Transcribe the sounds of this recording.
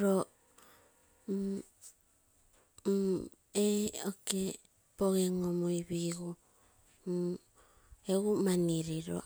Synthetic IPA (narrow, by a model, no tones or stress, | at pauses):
ɾo | eoke | poɣeŋomojβiɡu | eumaniɾiɾo̰